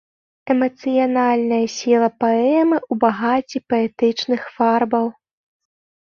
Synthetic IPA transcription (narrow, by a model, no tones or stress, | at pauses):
ɛmɐt̪sɨjanalʲnɐjɐsʲilˠɐpaɛmɨʔubaɣat͡sʲipɐɛt̪ɨt͡ʂnɨxfarbɐw